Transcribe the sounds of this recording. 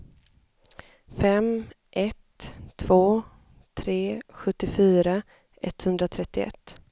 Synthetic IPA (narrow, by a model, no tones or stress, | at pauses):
fɛm | ʔɛt̪ʰːvoː | t̪ʰɾeːɧɵt̪ːɪfyːɾa | ʔɛt̪ːhɵnd̪ɾat̪ʰɾɛt̪ːɪɛ̰t̪ː